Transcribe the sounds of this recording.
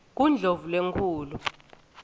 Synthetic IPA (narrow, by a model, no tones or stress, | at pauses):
k̬und͡ɮʱovulweŋkʰuːlu